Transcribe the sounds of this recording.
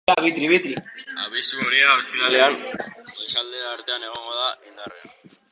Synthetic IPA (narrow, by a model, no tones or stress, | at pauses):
aβit̪ɾiβet̪ɾia̰βisuoɾiaβest̪iɾaleanlesald̪e̞ɾaːɾt̪e̞ane̞ɣ̞o̞ŋɡo̞ðaind̪area̰